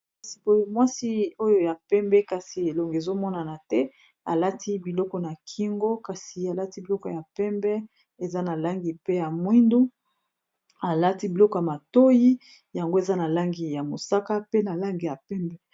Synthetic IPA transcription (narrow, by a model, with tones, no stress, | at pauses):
si̥˨bo˨˦jo˦mwa˦si˦o˦jo˦ja˨pɛ˦mbɛ˦ka˨si˨e˨lo˨ŋɡe˨zo˦mɔ˦na˨na˨tɛ˦ | a˨la˦tʰi˦bi˨lɔ˦kɔ˨na˨kʰi˦ŋɡo˦ka˨si˨a˨la˦ti˦bi˨lɔ˦kɔ˨ja˨pɛ˦mbɛ˦ | e˨za˦na˨la˦ŋɡi˨pe˦ja˨mwi˦ndu˦ | a˨la˦ti˦bi˨lɔ˦kɔ˨ja˨ma˨to˦ji˦ | ja˨ŋɡo˦e˨za˦na˨la˦ŋɡi˨ja˨mo˨sa˦ka˦pe˦na˨la˦ŋɡi˨ja˨pɛ˦mbɛ˦